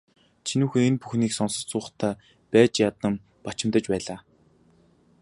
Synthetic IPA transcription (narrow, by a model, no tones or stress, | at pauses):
t͡ɕʰinuːxenpuxniːksɔnsə̆t͡sʊːχt̪ʰæː | pæːt͡ɕjat̪ə̆m | pat͡ɕɪ̆mt̪ə̆t͡ɕpæːɮaː